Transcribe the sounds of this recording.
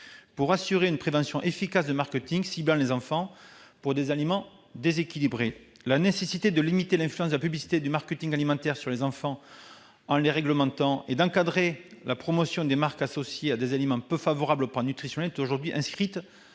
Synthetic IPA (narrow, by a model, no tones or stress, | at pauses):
puʁasyʁeynəpχevɑ̃sjɔ̃ʔefikasd̪əmaʁkət̪ĩŋɡsiblɑ̃lezɑ̃fɑ̃puʁd̪ezalimɑ̃ | d̪ezekʲilibʁe | lanesesit̪ed̪əlimit̪elɛ̃flyɑ̃s̬d̪əlapyblisi̥t̪ed̪ymaʁkət̪ĩŋɡalimɑ̃t̪ɛʁsyʁlezɑ̃fɑ̃ | ɑ̃leʁɛɡləmɑ̃t̪ɑ̃ed̪ɑ̃kad̪ʁelapχɔmɔsjɔ̃d̪emaʁkasɔsjead̪ezalemɑ̃pøfavɔʁablopɑ̃nyt̪χisjɔnɛɛt̪oʒuʁd̪ɥiʔɛ̃skχit̪